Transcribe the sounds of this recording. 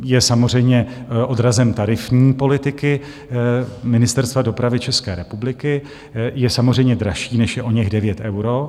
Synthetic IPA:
jɛsamor̝ɛjmɲɛʔo̞dɾazɛmt̪aɾɪfɲiːpo̞lɪt̪ɪkɪ | mɪnɪst̪ɛɾst̪vadopɾavɪt͡ʃɛskɛ̰ːɾɛpublɪkɪ | jɛsamorɛjmɲɛd̪ɾaʃiːnɛʃjɛʔoɲɛɣdɛvjɛt̪ʔɛwɾo

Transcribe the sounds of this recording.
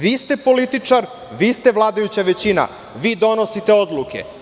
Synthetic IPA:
ʋiːst̪e̞po̞lit̪it͡ʂaɾ | ʋiːst̪e̞ʋlˠaːd̪ajut͡ɕaʋet͡ɕina̰ | ʋiːd̪o̞no̞sit̪e̞o̞d̪luke̞̰

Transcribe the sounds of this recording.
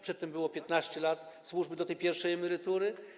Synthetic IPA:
pʂɛt̪ːɛmbɘwɔpʲjɛt̪naɕt͡ɕɛlat̪ | swuʐbɘd̪ɔt̪ɛjpʲjɛɾfʂɛjɛmɛɾɘt̪uɾɘ

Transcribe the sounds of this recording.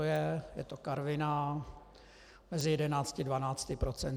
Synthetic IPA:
ojɛjɛ̰t̪okaɾvɪna | mɛzɪjɛdɛnaːt͡scɪdvanaːt͡sc̪ɪpɾot͡sɛn

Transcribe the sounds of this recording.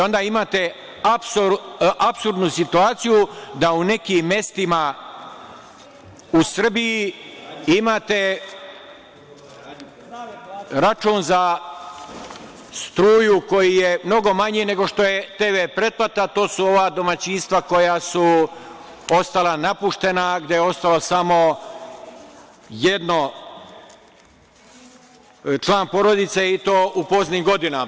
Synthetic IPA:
o̞nd̪aːimaːt̪e̞ | apsʔapsuɾd̪nusit̪uaːt̪sijud̪aune̞kiːmːe̞st̪ima | usr̩biji | imaːt̪e̞ | ɾat͡ʃuːnza | st̪ɾuːjuko̞jijemno̞ɡo̞maɲine̞ɡo̞ʃt̪o̞je̞t̪eːʋepɾe̞t̪̚plat̪at̪oːsuo̞ʋaːd̪o̞mat͡ɕinst̪ʋako̞jasu | o̞st̪alanapuʃt̪e̞naɡd̪jejeo̞st̪alosamo̞ | je̞d̪no | t͡ʃlˠaːnpo̞ɾo̞d̪it̪seit̪o̞ːʔupo̞zniɡo̞d̪ina

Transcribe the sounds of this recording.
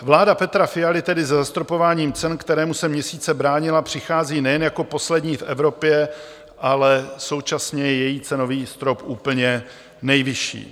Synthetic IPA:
vlaːdapɛt̪ɾafɪjalɪt̪ɛdɪzɛzast̪ɾopo̞vaːɲiːmt͡sɛnkt̪ɛɾɛːmusɛmɲɛsiːt͡sɛbɾaːɲɪlapr̝̥ɪxaːziːnɛjɛnjako̞po̞slɛdɲiːfʔɛvɾo̞pjɛ | ʔalɛso̞wt͡ʃasɲɛjɛjɛjiːt͡sɛno̞viːst̪ɾo̞pʔuːpl̩ɲɛ | nɛjvɪʃḭː

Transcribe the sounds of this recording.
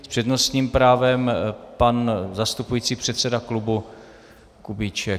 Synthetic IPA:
spr̥ɛdno̞st̪ɲiːmpɾaːvɛmpanzast̪upujiːt͡siːpr̥ɛt̪sɛdaklubu | kubit͡ʃɛk

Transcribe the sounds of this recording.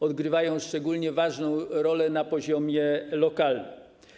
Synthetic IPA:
ɔd̪ɡɾɘvajɔ̃w̃ʂt͡ʂɛɡulɲɛvaʐnɔ̃w̃ɾɔlɛnapɔʑɔmʲjɛlɔkalnɘm

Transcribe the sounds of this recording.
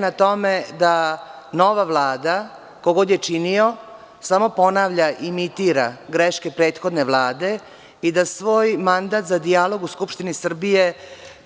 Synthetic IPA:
nat̪o̞med̪a | no̞ʋaʋlˠaːd̪a | koɡo̞d̪jet͡ʂinio̞ | samo̞po̞naːʋʎaʔimit̪iːɾaɡɾeʃkepɾeːt̪xo̞d̪neʋlˠaːd̪e̞ | id̪asʋo̞ːjmand̪aːt̪zad̪ijalo̞ɡuskupʃt̪inisr̩bije

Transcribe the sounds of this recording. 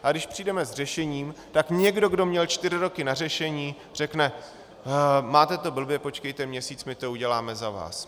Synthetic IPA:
ʔaɡdɪʃpr̥iːdɛmɛzr̝ɛʃɛɲiːmt̪akɲɛɡdo̞ɡdo̞mɲɛlt͡ʃt̪ɪɾɪɾo̞kɪnar̝ɛʃɛɲiː | r̝ɛknɛ | maːt̪ɛt̪o̞bl̩bjɛpo̞t͡ʃkɛjt̪ɛmɲɛsiːt͡smɪt̪o̞uɟɛlaːmɛzava̰ːs

